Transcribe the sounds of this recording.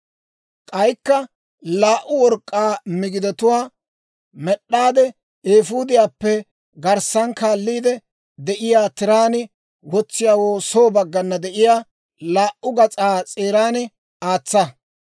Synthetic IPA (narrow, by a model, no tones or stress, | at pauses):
kʼɐjkːɐ | laːʔʊwɔɾkʼːaːmɪɡɪd̪ɛt̪ʊwaː | mɛɗːaːd̪ɛ | eːfuːd̪ɪjaːpːɛ | ɡɐɾsɐnkaːlːiːd̪ɛ | d̪ɛʔɪjaːt̪ɪɾaːnɪ | wɔt͡sːɪjaːwoːsoːbɐɡːɐnːɐd̪ɛʔɪjaː | laːʔʊɡɐt͡sʼaːt͡sʼeːɾaːnɪ | aːt͡sːɐ